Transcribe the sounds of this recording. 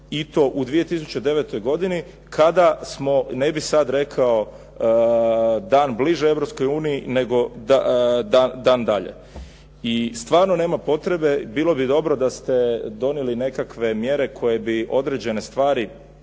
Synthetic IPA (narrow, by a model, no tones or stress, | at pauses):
it̪o̞ʔud̪ʋije̞t̪isu̥t͡ɕed̪e̞ʋe̞t̪o̞jɡo̞d̪ini | kʰad̪asmo̞nebisad̪ɾe̞kʰao | d̪aːnbliʒee̞ʋɾopsko̞juːnijine̞ɡo̞ad̪ad̪aːnd̪aʎḛ | ist̪ʋaːɾno̞ne̞ːmapo̞t̪ɾe̞be̞biːlo̞bid̪o̞bɾo̞d̪ast̪e̞d̪o̞neline̞kakʋe̞mje̞ɾe̞kʰo̞je̞biʔo̞d̪ɾed͡ʑe̞ne̞st̪ʋaːɾi